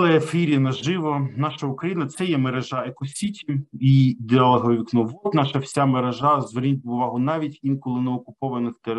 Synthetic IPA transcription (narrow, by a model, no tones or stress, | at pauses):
lˠɛefiɾʲinɐʒɪʋɔnɑʃɐʊkɾɐjinɐt̪sɛjɛmeɾeʒɑekɔsʲitʲiid̪ʲeɐlˠɐɦɔʋʲiknɔʋɔt̪nɑʃɐwsʲameɾeʒɑzʋernʲitʲʊʋɑɦʊnɑʋʲitʲinkɔlˠɪnɛɔkʊpɔʋɐnɪxt̪eɾ